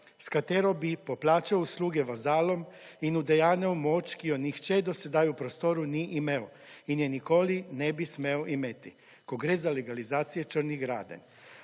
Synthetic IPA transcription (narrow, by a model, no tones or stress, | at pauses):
skat̪eːɾobipoplaːt͡ʃaousluːɡɛʋazaːlominud̪ejaːnɛomoːt͡ʃkijonixt͡ʃɛd̪osed̪aːjupɾost̪oɾuniʔimeo | injenikoːlinɛbismeoʔimet̪i | koɡɾeːzaleɡalizaːt̪sijet͡ʃər̩niɣɡɾa̰ːd̪a̰n